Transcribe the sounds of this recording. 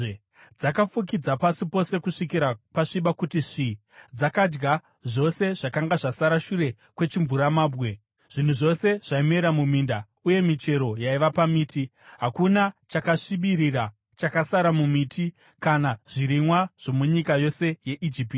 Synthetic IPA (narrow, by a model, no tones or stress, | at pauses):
d͡zakafuk̬id͡zapasipo̞se̞kuʂikiɾapaʂiɓakutiʐi | d͡zakad͡ʒɡa | ʐo̞se̞ʐ̥akaŋɡaʐasaɾaʃuɾe̞ | kwe̞t͡ʃiɱvuɾamaːbɣe̞ | ʐ̥in̤uʐo̞se̞ʐ̥aimeɾamuminda | uje̞mit͡ʃe̞ɾo̞jaiʋapamiːtʰi | ɦakunat͡ʃakaʂiɓirira | t͡ʃakasaɾamumiti | kanaʐ̥iɾimwaʐ̥o̞muɲikajo̞se̞je̞ʔid͡ʒipiːti